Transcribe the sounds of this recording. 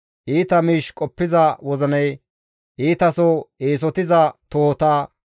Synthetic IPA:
ʔiːt̪ɐmiːʃkʼɔpːɪzɐwɔzɐnɐj | ʔiːt̪ɐsɔeːs̬ɔt̪ɪzɐt̪oːɔt̪aː

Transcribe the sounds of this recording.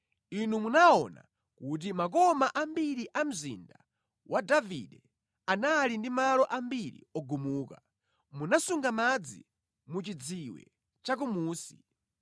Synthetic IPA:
inumunaɔna̰ | kut̬imak̬ɔmaʔambiɾiʔam̩zḭnda | wʔadavḭɗɛ | analindimalɔʔambiɾḭɔɡumuːka | munasuŋɡamad͡zḭ | mut͡ʃid͡ziwɛ̰ | t͡ʃak̬umuːsi

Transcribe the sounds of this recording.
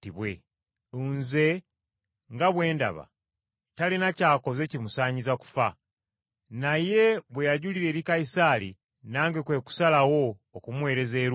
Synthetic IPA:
tiβwḛ | unze̞ | ŋɡaβwe̞ːnda̰βa̰ | talinacaːko̞ze̞cimusaːɲizaku̥fa | naje̞βwejaɟuliɾe̞ːɾikaisaɾḭ | naːŋɡekwe̞ku̥salawo̞ːkumwe̞ːɾe̞ze̞ːɾ

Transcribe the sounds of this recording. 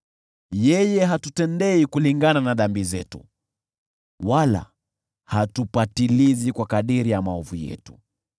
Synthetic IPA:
jɛjɛɦatutɛndɛikuliŋɡananaðambizɛtṵ | wala̰ | hatupatilizikwakaɗiɾijamaɔvujɛ̰tu̥

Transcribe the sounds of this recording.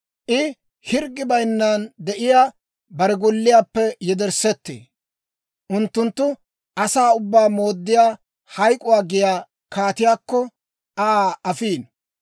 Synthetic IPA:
ʔɪ | hɪɾɡːɪbɐjnːaːnd̪ɛʔɪjaː | bɐɾɛɡɔlːɪjaːpːɛjɛd̪ɛɾsɛt̪ːḛː | ʔʊnt̪ːʊnt̪ːʊ | ʔɐsaːʊbːaːmo̞ːd̪ːɪjaː | hɐjkʼʊwaːɡɪjaː | kaːt̪ɪjaːkːɔ | ʔaːɐfiːn

